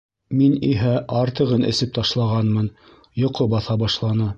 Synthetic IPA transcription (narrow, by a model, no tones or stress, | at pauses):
miniɦæʔɑɾt̪ɤ̆ʁɤnɘ̰̆sɘp̚t̪ɑʃlˠɑʁɑnmɤn | jŏqobɑθɑbɑʃlˠɑnɤ